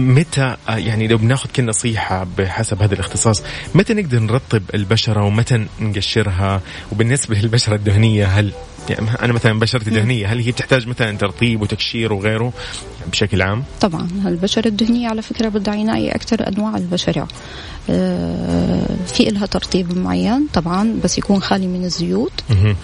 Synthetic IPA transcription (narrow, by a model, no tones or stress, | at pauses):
mat̪ajaʕnilawbɪnaːxʊd̪̥̚kaːnɑsˤiːħabɪħasabhaːðalɪxt̪ɨsˤɑːsˤmat̪anɪɡ̚d̪ɑɾˤnɾˤɑt̪ˤːɨbɪlbaʃɑɾˤɑwmat̪anɡaʃːɪɾɦa | wbɪnːɪsbalɪlbaʃɑɾˤɑd̪ːʊhnɪjːaɦal | ja̰ʔa̰namaθalanbaːʃɑɾˤɑt̪d̪ʊhnɪjːaɦalhiːb̚t̪ɪħt̪aːd͡ʒmaθalant̪ɑɾˤt̪ˤiːbwɪt̪akʃiːɾwɣeːɾu | bɪʃaklʕaːmt̪ˤɑbʕɑ̰nalbaʃɑɾˤɑd̪ːʊhnɪjːaʕalafɪkɾˤabɪd̪aʕjɪna̰ːjḭʔa̰kt̪ɑɾˤʔa̰nwaːʕɪ̰lbaʃɑɾˤɑ̰ | fiʔɪlːɦat̪ɑɾˤt̪ˤiːbmʊʕa̰jːant̪ˤɑbʕɑnbasːjakuːnxaːlimɪnɪzːʊjuːt̪ɦ